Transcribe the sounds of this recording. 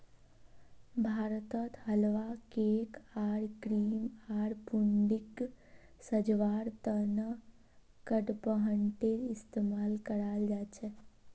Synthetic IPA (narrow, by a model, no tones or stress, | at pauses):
bʱaːɾət̪ət̪ɦəlʋakeːkaːɾkɾiːmaːɾpʊɳɖɪk | səd͡ʒʋaːɾt̪ənə | kəɖpəɦəɳʈeɾɪst̪eːmaːlkəɾaːld͡ʒaːt͡ʃʰɛ